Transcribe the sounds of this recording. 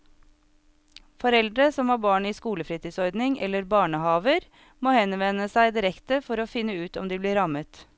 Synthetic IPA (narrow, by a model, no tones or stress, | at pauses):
fɔɾɛld̪ɾəsɔmhɑːbɑːɳiːskuːləfɾiːt̪ʰiːsɔɾd̪nɪŋɛ̰lːəɾbɑːɳəhɑːʋəɾ | moːhɛnʋɛnəsæɪd̪ɪɾɛkt̪əfɔɾoːfɪnːəʉːt̪ɔ̰md̪iːbliːɾɑmət̪